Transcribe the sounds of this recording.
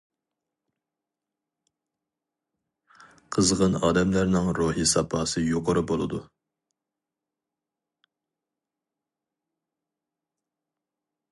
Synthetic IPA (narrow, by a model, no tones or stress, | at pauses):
qʰəzʁənɑːd̪ɛmlæɾnɨŋɾuɦisɑpʰɑːsɨjoqʰəɾɨbolˠɨd̪u